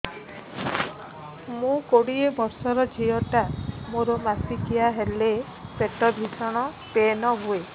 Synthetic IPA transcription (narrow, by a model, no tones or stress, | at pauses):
mũkoɽiebɔɾsɔɾɔd͡ʒʱijɔʈamoɾɔmasikiaɦele | peʈɔbʱisɔɽ̃ɔ | penɔɦue